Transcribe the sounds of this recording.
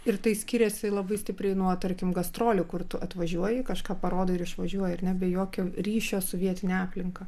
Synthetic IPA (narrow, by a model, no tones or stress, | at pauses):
ɪɾt̪ɐɪsʲkʲiːɾʲɛsʲɪlˠɐbɐɪsʲt̪ʲɪpʲɾʲɛɪnuɔt̪ɐɾʲkʲɪmɡɐst̪ɾoːlʲʊkʊrt̪ʊɐt̪ʋɐʒʲuɔjɪkɐʃkɑːpɐɾoːd̪oːɪɾɪʃʋɐʒʲuɔjɪɐrnʲɛbʲɛjoːkʲoːɾʲiːʃʲoːsɔʋʲiɛt̪ʲɪnʲɛɑːpʲlʲɪŋkɐ